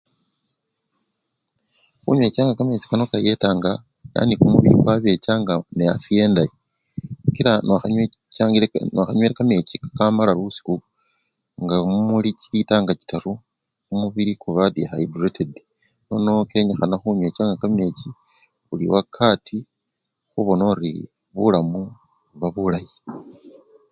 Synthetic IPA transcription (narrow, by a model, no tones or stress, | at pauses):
xṵɲwe̞ːt͡ʃaːŋɡakame̞t͡ʃi̥kano̞kajetaŋɡa | ja̰nikumuβiɾḭkwaβe̞t͡ʃaŋɡaneja̰fije̞ːndaji | ikiɾanacaŋɡinaxaɲweɾekame̞cikḁkamalaɾusi̥ku | ŋɡaumuliciitaːŋɡat͡ʃi̥taɾu | kumuβiɾikuβadihaidretʰed | nono̞ke̞ɲexanaxuɲweːt͡ʃaŋɡakame̞ːt͡ʃi | ulḭwakʰatʰi | xuβo̞noɾḭ | βulamu | βaβulaji